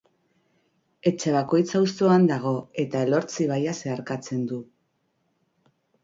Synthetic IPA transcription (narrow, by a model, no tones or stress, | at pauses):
e̞t͡ʃe̞β̞ako̞jt͡saust̪o̞and̪aɣ̞o̞e̞t̪ae̞lo̞ɾt͡siβ̞ajase̞aɾkat͡se̞nd̪u